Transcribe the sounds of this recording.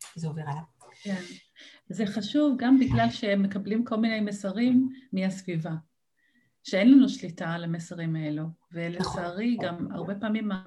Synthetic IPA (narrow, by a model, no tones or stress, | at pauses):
zeoveʁalav | ken | zeχaʃuvɡambiɡlalʃeemːe̞kablimko̞lmine̞jmesaʁimːihasviva | ʃeenlanuʃlitalemesaʁimaeluvelesaːʁiɡama̰ʁbepaːmima